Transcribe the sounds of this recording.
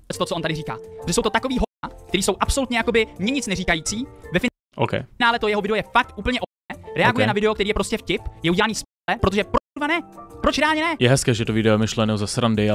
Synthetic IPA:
ɛt͡st̪ot͡soʔont̪adɪriːka̰ːppoʒɛsowt̪ot̪ako̞viːɦokt̪ɛɾiːso̞wʔapso̞lut̪ɲɛjako̞bɪmɲɛɲɪt͡snɛriːkajiːt͡siːvɛfɪ | ʔo̰kɛ̰naːlɛt̪ojɛɦovɪdɛojɛfak̚t̪ʔuːpl̩ɲɛʔo | ɛːɾɛaɡujɛnavɪdɛokt̪ɛɾiːjɛpɾo̞scɛfcɪpjɛʔuɟʲɛlaːniːs | ɛpɾot̪̬oʒɛpɾovanɛpɾot͡ʃɾɛaːlɲɛnɛjɛɦɛskɛːʒɛt̪ovɪdɛomɪʃlɛnɛzasɾandɪ

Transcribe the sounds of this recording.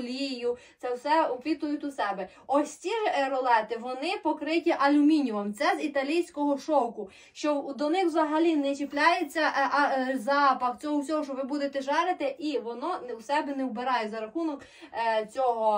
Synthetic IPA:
lʲijʊt̪ɛwsɛɔpʲʋʲit̪ʊjʊtʲʊsɛbɛ | ɔsʲt͡sʲirɔlˠɛt̪ɪʋɔnɪpɔkɾɪtʲiʔɐlʲʊmʲinʲʊʋɐmt̪sɛzit̪ɐlʲijsʲkɔɦɔʃɔkʊ | ʃt͡ʃɔd̪ɔnɪxwzɐɦɐlʲinɛt͡ʃeplʲajet͡sʲːɐʔzɑpɐxt͡sʲɔɦɔwsʲɔɦɔʃɔʋɪbud̪et̪ɛʒɑɾɪt̪ɪʔiʋɔnɔnuwsɛbɛnɛwbeɾɑjɛzɐɾɐxunɔk | t͡sʲɔɦɔ

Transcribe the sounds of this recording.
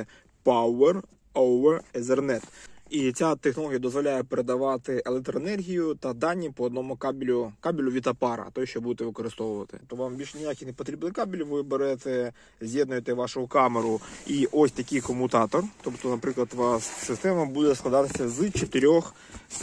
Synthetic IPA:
pawɛr | oʋɛrɛzɛrnɛt̪it͡sʲat̪exnɔlˠɔɦʲijɐd̪ɔzʋɔlʲajɛpeɾed̪ɐʋɑt̪ɪelˠek̚t̪ɾɔenɛrɦʲijʊt̪ɐd̪ɑnʲːipɔɔːd̪nɔmʊkabʲlʲʊkabʲɪlʲʊʋʲit̪ɐpɑɾɐ̰t̪ɔjɛʃt͡ʃɔbud̪et̪ɛʋɪkɔɾɪst̪ɔʋʊʋɐt̪ɪ̥̰pt̪ɔʋɑmbʲilʲʃnʲɪjakʲɪnepɔt̪ɾʲibnɪjkabʲilʲʋɪbeɾɛt̪ɛ | zʲjɛd̪nʊjet̪ɛʋɑʃʊʊkameɾʊiʔɔsʲt̪ɐkʲɪjkɔmʊt̪ɑt̪ɔrt̪ɔpt̪ɔnɐpɾɪklˠɐt̪ʋɑsːɪst̪ɛmɐbud̪ɛsklˠɐd̪ɑt̪ɪsʲɐzt͡ʃet̪ɪɾʲɔx

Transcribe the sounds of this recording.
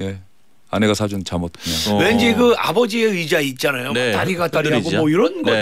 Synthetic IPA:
je | ane̞ɡasʰad͡ʑunt͡ɕamot̚ʰɲawend͡ʑiɡɯa̰bʌd͡ʑie̞ɯid͡ʑait̚t͡ɕ͈anajomnot͈aɾiɡat͈aɾiɦaɡomʌiɾʌnɡʌ

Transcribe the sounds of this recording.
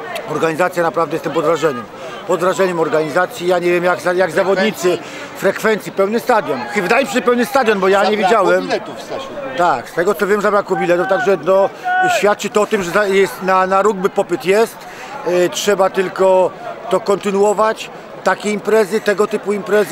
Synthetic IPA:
ɔɾɡaɲizat̪sʲjanapɾavd̪ɛjɛst̪ɛmpɔd̪vɾaʐɛɲɛm | pɔd̪vɾaʐɛɲɛmɔɾɡaɲizat̪sʲjijaɲɛvʲjɛmjaɡzajaɡzavɔd̪ɲit̪sɘ | fɾɛkfɛnt̪sʲjipɛwnɘst̪ad̪jɔnxvd̪ajɛmɕɛɕɛpɛwnɘst̪ad̪ʲjɔnbɔjaɲɛvʲjed͡ʑawɛmɛt̪ufsat̪akst̪ɛɡɔt̪sɔvʲjɛmzabɾakubʲilɛt̪uft̪aɡʐɛnɔɕfʲjat̪̚t͡ʂɘt̪ɔɔt̪ɘmʐɛzajɛst̪nanaɾuɡ̚bɘpɔpɘt̪jɛst̪ | tʂɛbat̪ɘlkɔt̪ɔkɔnt̪ɘnuɔvat͡ɕ | t̪akʲeimpɾɛzɘt̪ɛɡɔt̪ɘpuimpɾɛz

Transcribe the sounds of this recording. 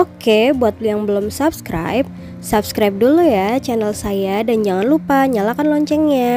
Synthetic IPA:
okebuat̪̚lʊjaŋbəlomsabskɾa̰jp̚ | sab̚skɾajp̚dulujat͡ʃɛnəlsajadand͡ʒaŋanlupaɲalakanlɔɲt͡ʃɛŋɲa

